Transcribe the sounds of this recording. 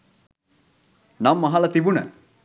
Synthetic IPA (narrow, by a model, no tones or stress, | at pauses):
namːɐɦalɐt̪ibunə̰